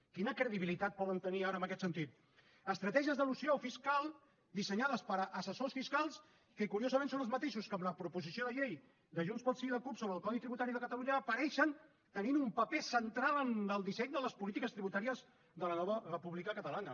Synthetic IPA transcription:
kinəkɾəðiβilit̪at̪̚pɔðənt̪əniaɾəmbəkɛt̪sənt̪it̪ | əst̪ɾət̪ɛʒiəzðəlusiofiskalˠ | d̪isəɲaðəspəɾʔːsəsosfiskalˠs | kəkuɾiozəmẽnsonəlzmət̪eʃuskəmləpɾupuzisioðəʎej | d̪əʒunspɔsiðəkupsoβɾəlˠkɔðit̪ɾiβut̪aɾiðəkət̪əluɲəːpəɾɛʃən | t̪əninumpəpɛsənt̪ɾalənəlˠd̪isɛɲd̪ələspulit̪ikəst̪ɾiβut̪aɾiəz | ðələnɔβərəpuβlikəkət̪əlanə

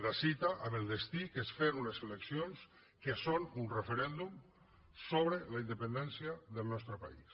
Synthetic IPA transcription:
ðasit̪aʔaβelˠd̪est̪ikesfeɾunəseleksions | kesonunrefeɾɛnd̪um | soβ̞ɾelaind̪epend̪ɛnsjaðelˠnɔst̪ɾəpa̰is

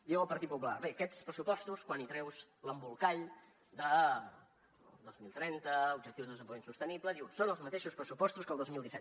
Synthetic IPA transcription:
d̪iwəlˠpəɾt̪it̪pup̬ula̰βekɛspɾəsupɔst̪uskwanit̪ɾɛwzləmbulˠkaʎ | d̪ə | lˠd̪ozmilˠt̪ɾɛnt̪əub̚d͡ʒək̚t̪iwzðəðəzəmpojinsust̪ənipləd̪iwsonəlˠzmət̪eʃuspɾəsupɔst̪uskəlˠozmilˠd̪isɛt̪̚

